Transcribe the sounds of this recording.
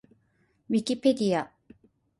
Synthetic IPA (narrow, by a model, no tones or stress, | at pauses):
vikʲiped̪ija